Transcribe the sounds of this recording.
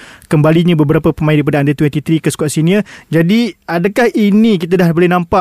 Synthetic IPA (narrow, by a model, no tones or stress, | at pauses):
kəmbaliɲãbəbəɾapapəmãɪndaɾip̬adaːndet̪ujat̪it̪ɾikəskuaʔsiniəd͡ʒadiadakahinikit̪̬adahbolɛhnãmpa